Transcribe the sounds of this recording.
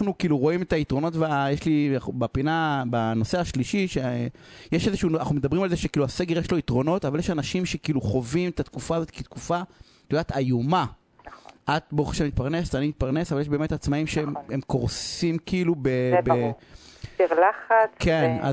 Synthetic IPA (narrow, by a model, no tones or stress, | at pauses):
anukiːluʁo̞imet̪aitʁo̞no̞tbjeʃliabapinabano̞se̞aʃliʃiʃe | jeʃezeʃunnaχnumed̪abʁimalzeʃekiːluase̞ɡeʁjeʃlo̞it̪ʁo̞no̞t̪avaljeʃanaʃimʃe̞kiiːluχo̞vimetat̪kufaːzo̞t̪ket̪kufa | t̪od̪at̪ajuma | ʔat̪̚boχeʃemit̪paʁnestaniit̪̚paʁnesavaljeʃ̬beːme̞tat͡smaimʃeemkoʁsimkiilubebe | eʁlaχatkena̰